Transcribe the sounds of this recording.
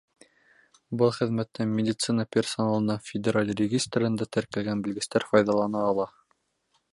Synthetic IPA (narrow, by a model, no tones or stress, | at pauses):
bɤlˠχɘ̆ðmæt̪ːɘŋmʲɪdʲɪt̪sɨnɑpʲersonalˠɤ̆nɑfʲɪdʲeɾalʲrʲɪɡʲist̪rɘ̆nd̪æt̪æɾkælɡænbɘ̆lɡɘ̆st̪æɾfɑjðɑlˠɑnɑːlˠɑ